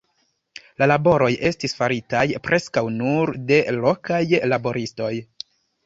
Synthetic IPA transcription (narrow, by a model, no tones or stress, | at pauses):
lalabo̞ɾo̞jʔe̞stisfaɾitajpɾʔe̞skawnuɾde̞lo̞kajlabo̞ɾʔisto̞j